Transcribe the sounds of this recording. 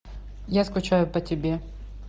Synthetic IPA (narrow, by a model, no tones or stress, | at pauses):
jaskʊt͡ɕajʊpətʲɪbʲe